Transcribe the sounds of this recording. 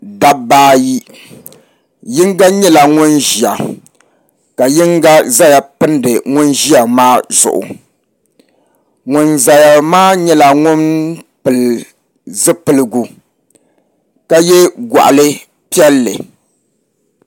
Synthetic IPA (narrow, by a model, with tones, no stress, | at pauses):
da˦baː˦ji˦ | jɪ˦ŋɡa˦ɲɛ˦la˨ŋʊ˦nʒi˨a̰˨ | ka˨jɪ˦ŋɡa˦za˦ja˨pɨ˦ndɨ˨ŋʊ˦nʒi˦a˨maː˦z̥ʊ̰˨ʔʊ̰˨ | ŋʊ˨nza˨ja˨maː˦ɲɛ˦la˨ŋʊ˦npɨ˨l | zɨ˦pɨ˨lɨ˦ɡu˨ | ka˦jɛ˦ɡa̰˨ʔa̰˨lɨ˦ | pi˦ɛ˦lːɨ̰˨